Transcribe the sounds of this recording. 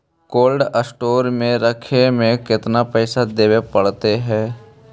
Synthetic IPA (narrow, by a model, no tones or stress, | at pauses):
koːlɖəsʈoːɾmẽɾəkʰemẽkɪt̪napɛɪsad̪eːwepəɽt̪eɦɛ̃ː